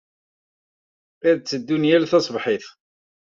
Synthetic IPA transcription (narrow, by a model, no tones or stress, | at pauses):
æðt͡sːəd̪ːunjælθɑsˤbħiθ